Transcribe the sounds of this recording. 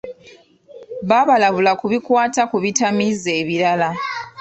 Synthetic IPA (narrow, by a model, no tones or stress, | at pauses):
βaβalaβulakuβikwaːtakuβitʰamizeβilala